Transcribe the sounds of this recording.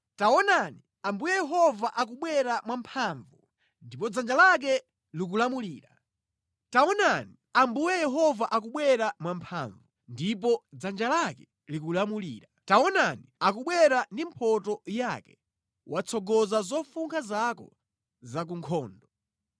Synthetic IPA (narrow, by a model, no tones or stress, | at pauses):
taɔnani | ambujɛjɛɦɔvaʔak̬uɓwɛɾamwampʰaːɱvu | ndipɔd͡zand͡ʒalak̬ɛ | lik̬ulamuliːɾa | taɔnani | ambujɛjɛɦɔvaʔak̬uɓwɛɾamwampʰa̰ɱvundip̬ɔd͡zand͡ʒalakɛ | likulamulḭːɾataɔnaniakuɓwɛɾandimpʰɔtɔjakɛ | wʔat͡sʰɔɡɔzazɔfuŋkʰazakɔ̰ | zak̬uŋkʰɔːndɔ